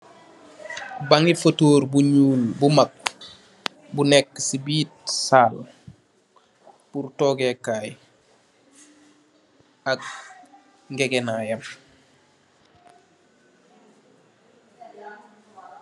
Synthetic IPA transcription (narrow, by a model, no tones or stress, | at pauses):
baŋifotoːɾbuɲuːlbumak̚ | bunekːsibiːt̚saːl | purtoːɡekaːj | ak̚ | ŋɡeɡenajɐm